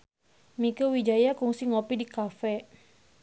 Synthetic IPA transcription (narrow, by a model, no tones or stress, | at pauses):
mikəwid͡ʒajakuŋsiŋopidikafɛ